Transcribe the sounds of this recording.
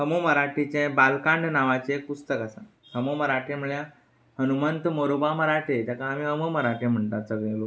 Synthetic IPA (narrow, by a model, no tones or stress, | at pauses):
səmoməɾaʈʰit͡ɕẽbalkãɳɖnaʋat͡ɕekust̪əkasa | səmoməɾaʈʰem̤uɭjã | hənumənt̪moɾobaməɾaʈʰet̪jakaːmiəməməɾaʈʰem̤əɳt̪asəɡɭẽlo